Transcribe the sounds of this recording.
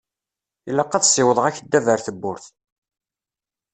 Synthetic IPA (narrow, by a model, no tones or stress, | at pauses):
ilːɑqːɑðsɪwəðˤʁæçəd̪ːævəɾθəbːʊɾθ